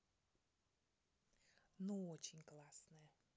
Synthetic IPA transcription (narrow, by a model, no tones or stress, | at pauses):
noot͡ɕɪnʲklˠasnɨjə